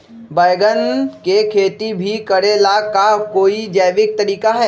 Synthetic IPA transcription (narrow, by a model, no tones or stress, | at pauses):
bəjɡənkekʰeːt̪ibʱikɐɽelakakoːid͡ʒɐːʋɪk̚t̪ɐɾiːkaɦɛː